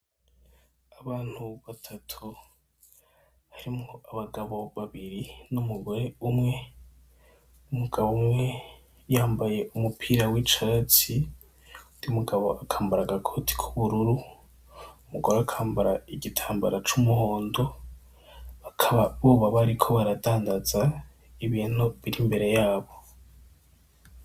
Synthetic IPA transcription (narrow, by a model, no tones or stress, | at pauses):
aβaːn̥huβatʰatʰu | haɾimŋoaβaɡaβo̞βaβiɾinumuɡo̞ɾe̞umŋe̞ | umuɡ̥aβoumŋe̞ | jaːmbaje̞umupʰiːɾawit͡ʃaɾat͡si | udiumuɡaβo̞̰ʔakʰaːmbaɾaɡakʰo̞tʰi̥kʰu̥βuɾuɾu | umuɡoɾoakʰaːmbaɾaiɡitʰaːmbaɾat͡ʃumuho̞ːndo̞ | βakʰaβaβuβaβaɾikʰo̞βaɾadaːndaza | iβiːnoβiɾimbe̞ɾe̞jaːβo̞